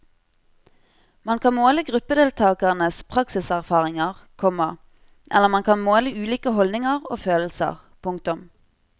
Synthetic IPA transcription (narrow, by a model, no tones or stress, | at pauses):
mɑnkʰɑnmoːləɡʁʉpəd̪eːlt̪ʰɑːkəʁənəspʰʁɑksɪsæʁfɑːʁɪŋəʁkʰɔmɑ | ʔɛ̰ləʁmɑnkʰɑnmoːləʉːliːkəhɔldnɪŋəʁo̰ːføːll̩sə̰ʁ | pʰʊŋkt̪ʊm